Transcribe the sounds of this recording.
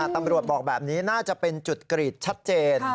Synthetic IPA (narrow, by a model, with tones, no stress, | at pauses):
a˨˩t̪a˧mɾu˨˩əbɔː˨˩k̚bɛː˨˩p̚niː˦˥naː˥˩t͡ɕa˨˩pe˧nt͡ɕu˨˩t̪̚kɾiː˨˩t̪̚t͡ɕʰa˦˥t̪̚t͡ɕeː˧n